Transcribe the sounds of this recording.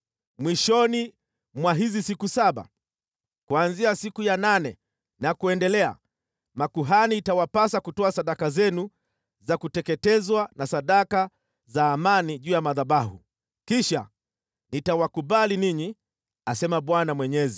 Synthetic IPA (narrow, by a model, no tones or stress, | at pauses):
mwiʃɔni | mwaɦizisikusaɓa̰ | kwanziasikujananɛ | nakuɛndɛlɛa̰ | makuɦaniːtawapasakutɔasaɗakazɛnu | zakutɛkɛtɛzwanasaɗaka | zaːmaniʄuːjamaðaɓahṵ | kiʃa | nitawakuɓaliniɲi | asɛmaɓwanamwɛɲɛzi